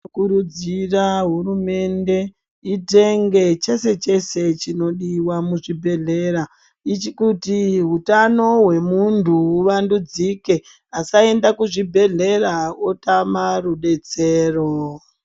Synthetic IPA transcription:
kuɾud͡ziraɦurume̞nde̞ | ite̞ŋɡe̞t͡ʃe̞se̞t͡ʃe̞se̞t͡ʃino̞ɗiwamuʐibʱe̞ɮe̞ɾa | it͡ʃikutiɦutano̞we̞muntʰuːʋandud͡zike̞ | asae̞ndakuʐibʱe̞ɮe̞raotamaruɗe̞t͡se̞ːro

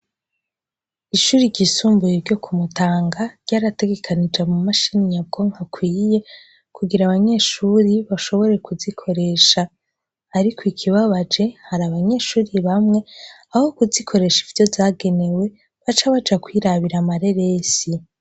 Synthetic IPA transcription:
iʃuːɾiɟisuːmbujeɾɟo̞kʰumutaːŋɡaɾɟ̥aːɾate̞ɡe̞kʰanid͡ʒamumaʃiniɲab̚ɡo̞ŋhakwiːje̞ | kuɡiɾaβaɲe̞ːʃuɾiβaʃo̞βo̞ɾe̞kuzikʰo̞ɾe̞ːʃaː | ɾikwikʰiβaβad͡ʒe̞haɾaβaɲe̞ʃuːɾiβamŋe̞ | aho̞kuzikʰo̞ɾe̞ʃivjo̞vzaːɡe̞ne̞we̞ | βat͡ʃaβad͡ʒakwiɾaβiɾamaɾe̞ɾesi

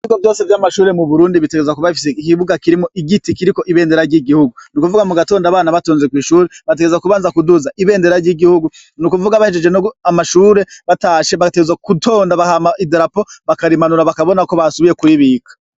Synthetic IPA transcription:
iɡovjo̞ːse̞vjaːmaʃuːɾe̞muβuɾuːndiβite̞ɡezwakuβaifis̬eikiβuɡakiɾimoʔiɡitikiɾiko̞ʔiβe̞ːnde̞ɾaɾɟiɡihuɡunukuvuɡamuɡato̞ːndaːβaːnaβatoːnzekwiːʃuːɾeβat̬e̞ɡezwakuβaːnzakuduzaʔiβe̞ːnde̞ɾaɾɟiɡihuɡu | nukuvuɡaβahed͡ʒe̞d͡ʒe̞noamaʃuːɾe̞βataːʃe̞βaɡateɡezwakutʰo̞ːndaβahamaideɾapo̞βakaɾimanuɾaβakaβo̞nako̞βasuβije̞kwiːβikʰḁ

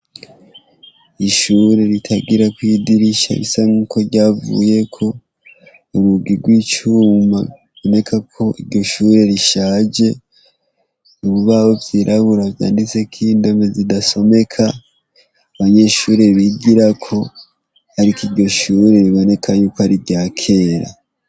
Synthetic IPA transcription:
iʃuɾe̞ɾitʰaɡiɾakwiːdiɾiʃa̰βisaaŋukʰo̞ɾɟaːvṵje̞kʰo̞ | umuɡiɡwiːt͡ʃuma | βo̞ne̞kʰakʰo̞ʔiɾɟo̞ʃuːɾe̞ɾiʃaːd͡ʒe̞ | uβuβaːβo̞vjiːɾʔaβuɾavja̰ːndit͡se̞kʰiːndo̞mezidaso̞me̞kʰa | aβaɲe̞ʃuːɾe̞βiɡiɾakʰo̞ | haɾikiɾɟo̞ʃuːɾe̞ɾiβo̞ne̞kʰajuːkoaɾiɾɟaːkʰe̞ɾa̰

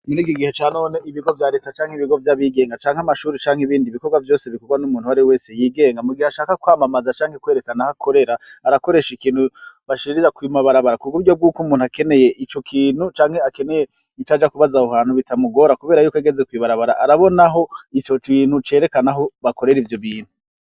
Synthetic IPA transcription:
munikiɡihet͡ʃaːno̞ːne̞iβiɡo̞vjaːɾekat͡ʃaːŋhiβiɡo̞vjaβiːɡe̞ːŋɡat͡ʃaːŋamaʃuːɾit͡ʃaːŋhiβiːndiβiko̞ɡwavjo̞ːse̞βiko̞ɡwanumuːnhuaɾiwe̞ːsejiːɡe̞ːŋɡamuɡiheaʃaːkakwaːmamazat͡ʃaːŋ̥he̞kwe̞ːɾe̞kanahakʰo̞ɾe̞ɾaːɾako̞ɾe̞ːʃikiːn̥huβaʃiiɾiɾakwimaβaɾaβaɾakuɡuɟob̚ɡuːkumuːnuake̞ne̞je̞ʔit͡ʃo̞kʰiːn̥hut͡ʃaːŋhe̞ake̞ne̞je̞ | it͡ʃad͡ʒakuβazauhaːn̥huβitamuɡo̞ɾakuβe̞ːɾajuːkeɡezekwiːβaɾaβaɾaʔaɾaβo̞naɦo̞it͡ʃot͡ʃiːn̥ut͡ʃe̞ːɾe̞kanaɦo̞βako̞ɾe̞ɾivjo̞βiːn̥u

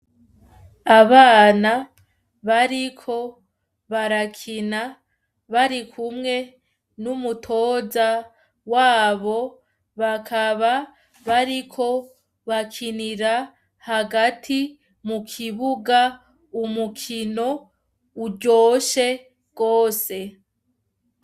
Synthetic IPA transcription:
aβaːna | βaɾikʰo̞ | βaɾakʰina | βaɾikʰumŋe̞ | numutʰo̞ːza | waːβo̞ | βakʰaβa | βaɾikʰo̞ | βakʰiniɾa | haɡatʰi | mukʰiβuɡa | umukʰino̞ | uɾɟo̞ːʃe̞ | ɡ̥oːse̞

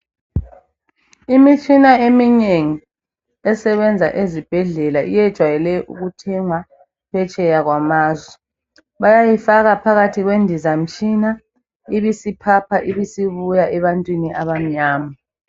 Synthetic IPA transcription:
imit͡ʃʼinaemineŋi | ɛsɛβɛnd͡zʱa̰ʔezib̥ʱɛɮɛlaʔḭjɛd̥ʒ̥ʱwajɛlɛʔṵɣutʰɛŋwa | pʰɛt͡ʃʼɛjaɣwamaːzwɛ | βajajifaɣapʰaɣatʰiɣwendʱizam̩t͡ʃʼina | iβisipʰapʰaʔiβisiβujaʔɛβantʼwiniʔaβam̩ɲaːma

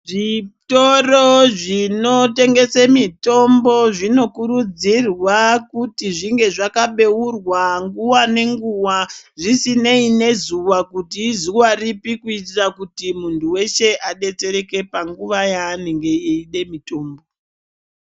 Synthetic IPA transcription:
ʐito̞roʐino̞te̞ŋɡe̞semito̞mbo̞ʐino̞kuɾud͡zirwakutiʐiŋɡe̞ʐakaɓe̞urwaŋɡuwane̞ŋɡuwaʐisine̞ine̞zuʋakutizuwaripikuitirakutimuntʰuwe̞ʃe̞ʔaɗe̞t͡se̞ɾe̞ke̞paŋɡuʋajaːneŋɡe̞iiɗe̞mito̞ːmbo

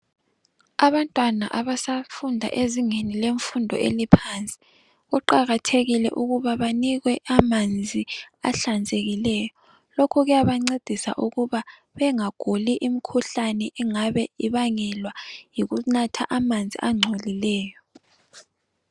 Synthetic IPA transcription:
aβantʼwana̰ʔaβasafundʱa̰ʔeziŋenileɱfundʱɔ̰ʔḛlipʰant͡sʼɛ̥ | ɣuǃaɣatʰeɣilɛ̰ʔuɣuβaβaniɣwɛʔamand͡zʱiaɬand͡zʱeɣilɛːjɔ | lokʰuɣujaβaŋ͡ǀed̥ʱisa̰ʔuɣuβa | βɛŋaɡ̥ʱoliʔimikʰuɬanɛʔɛŋaβɛiβaŋɛlwajiɣunatʰaʔamand͡zʱḭʔaŋ͡ǀʱolilɛːjɔ

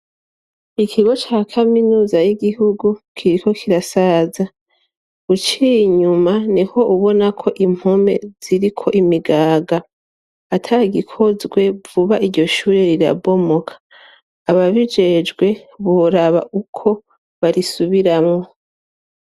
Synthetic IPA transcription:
ikʰiɡo̞t͡ʃaːkʰaminuːzajiɡihuɡukʰiɾiko̞kʰiɾasaza | ut͡ʃiɲumaniho̞ʔuβo̞nakʰo̞ʔim̥homḛz̥iɾikʰo̞̰ʔimiɡaːɡaː | tʰaɡikʰo̞zɡwe̞vuβaiɾɟo̞ʃuːɾeɾiɾa̰bo̞mo̞kʰḁː | βaβid͡ʒe̞d͡ʒɡwe̞βoɾaβa̰ʔukʰo̞ | βaɾisuβiɾamŋo̞

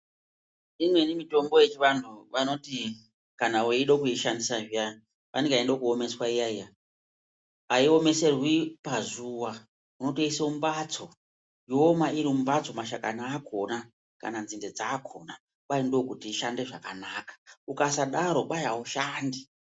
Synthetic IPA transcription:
imwe̞nimito̞mbo̞je̞t͡ʃiʋantʰuʋano̞ti | kanauiɗokuiʃandisaʐija | ʋa̰neŋɡaindokuo̞me̞swaijaija | aio̞me̞se̞rwipazuwa | uno̞toiseumbat͡so̞ | joomaiɾiumbat͡so̞maʃakanaːkʰo̞na | ka̰nanzinde̞d͡zaːkʰo̞na | ɓaindokutiːʃande̞ʐakanakḁukasaɗaɾo̞ɓajauʃaːndi

